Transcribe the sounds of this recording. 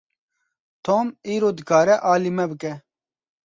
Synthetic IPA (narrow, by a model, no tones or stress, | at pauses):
t̪ʰoːmiːɾoːd̪ɡaːɾɛʔaːlimɐbɨkɛ